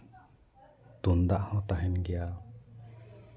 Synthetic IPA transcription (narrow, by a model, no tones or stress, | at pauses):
t̪und̪aʔhɔ̃t̪aɦɛnɡɛja